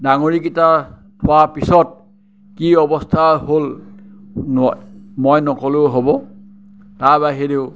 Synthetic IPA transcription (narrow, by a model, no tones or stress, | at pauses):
daŋoɹikita | tʰʊwapisɔt̚ | kiɔbɔstʰaɦol | mojnɔkɔloɦobɔ | taɹbaɦideʊ